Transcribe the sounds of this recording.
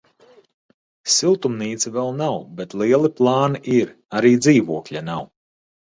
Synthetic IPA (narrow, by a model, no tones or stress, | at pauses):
silˠt̪umniːt̪sivɛlˠnawbet̪lˠiɛlˠiplˠɑːniʔiɾ | aɾiːd̪ziːvuɔkʎʲanaw